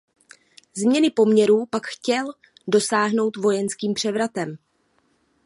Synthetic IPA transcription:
zmɲɛnɪpo̞mɲɛɾuːpakxcɛl | do̞saːɦno̞wt̪vo̞jɛnskiːmpr̝̥ɛvɾat̪ɛm

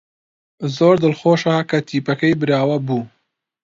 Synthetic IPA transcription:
zoːɾd̪əlxoːʃaːkɐt̪ʰiːpɐkɐjbɨɾjɑːwɐbuː

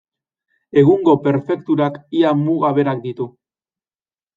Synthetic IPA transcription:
e̞ɣ̞uŋɡo̞pe̞ɾfe̞kt̪uɾakiamuɣaβe̞ɾak̚d̪it̪u

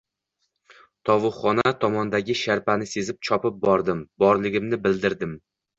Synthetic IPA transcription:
t̪ʰɒvʊχɒnat̪ʰɒmɒnd̪aɡʲɪʃaɾpanɪse̞zɪp̚t͡ʃʰɒpɪp̚bɒɾd̪ɪmbɒɾlɪɡʲɪmnɪbɪld̪ɪɾd̪ɪm

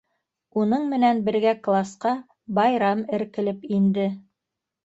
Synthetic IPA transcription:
unɤɴmɘ̆nænbɘ̆ɾɡæklˠasqɑ | bɑjɾɑmɘ̆ɾkɘ̆lɘpind̪ɘ

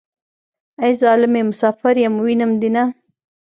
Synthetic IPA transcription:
ajzɑːlɪmemʊsɑːfaɾjamwinamd̪ina

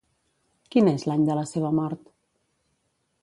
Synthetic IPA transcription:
kinezlaɲd̪ələseβəmɔɾt̪

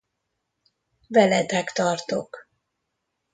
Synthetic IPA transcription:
vɛlɛt̪ɛkt̪ɒrt̪o̰k

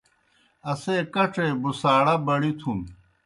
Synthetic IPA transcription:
ɐseːkɐʈ͡ʂeːbusaːɽɐbɐɽit̪ʰum

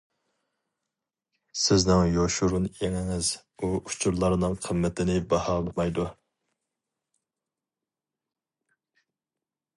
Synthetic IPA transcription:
sɪznɪŋjoʃuɾunjeŋɪŋɪz̥ | uut͡ʃʰuɾlˠɑɾnɨŋqʰəmːɛt̪ʰɪnɪbɑhɑːlˠɨmɑjd̪u

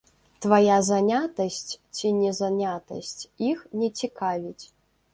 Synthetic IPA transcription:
t̪vajazanʲat̪ɐsʲt͡sʲt͡sʲinʲɛzanʲat̪ɐ̰sʲt͡sʲixnʲɛt͡sʲikavʲit͡sʲ

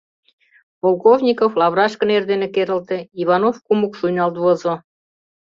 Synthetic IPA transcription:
polˠkovnʲikoflɑβrɑʃkə̆nerd̪enekeɾə̆lt̪ĕiβɑnofkumukʃujnɑlt̪βozo

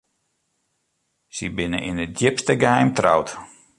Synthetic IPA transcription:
sibɪnə̰ʔinədjɪpstəɡəhɛjmtra̰wt

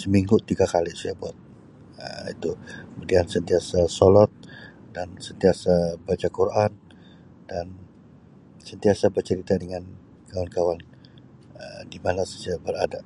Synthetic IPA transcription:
səmiŋɡut̪iɡakalisajabuat̪̚ | əḭt̪ukəmudiansənt̪iasasolɔt̪̚ | dansənt̪iasabat͡ʃakuɾʔan | dan | sənt̪iasabərt͡ʃəɾit̪adəŋan | kawankawan | ədimanasəd͡ʒabəladaʔ

